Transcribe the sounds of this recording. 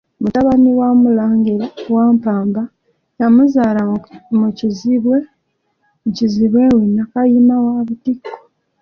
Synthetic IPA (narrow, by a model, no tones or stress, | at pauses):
mutaβaniwamulaːŋɡiɾawaːmpaːmba | jamuzaːlamuciziβwe̞ | ciziβwe̞wenakajimawaːβutikːo̥